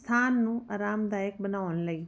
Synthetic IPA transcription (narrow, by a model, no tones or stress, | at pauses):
st̪ʰaːnːũːaːɾaːmd̪aːɪk̚ɓɐnaːʋñlɐiː